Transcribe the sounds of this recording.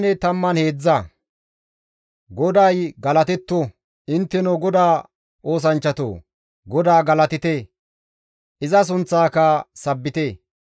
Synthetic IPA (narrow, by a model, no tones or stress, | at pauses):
nɛt̪ɐmːɐnhe̞ːd͡zːɐ | ɡɔd̪ɐjɡɐlɐt̪ɛt̪ːɔ | ɪnt̪ːɛnoɡɔd̪aː | ʔo̞ːs̬ɐnt͡ʃːɐt̪o̰ː | ɡɔd̪aːɡɐlɐt̪ɪt̪e | ʔɪzɐs̬ʊnt͡sːaːkɐsɐbːɪt̪e